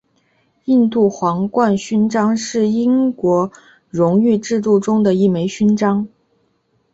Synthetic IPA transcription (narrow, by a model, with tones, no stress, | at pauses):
i˥˧nt̪u˥˩xwɑ˧˥ŋkwa˥˧nɕy˥nʈ͡ʂɑ˥ŋʂɻ̩˥˩i˥ŋkwɔ˧˥ | ɻʊ˧˥ŋy˥˧ʈ͡ʂɻ̩˥˧t̪u˥˩ʈ͡ʂʊ˥ŋd̪ə˨i˥˩me˧˥ɪɕy˥nʈ͡ʂɑ˥ŋ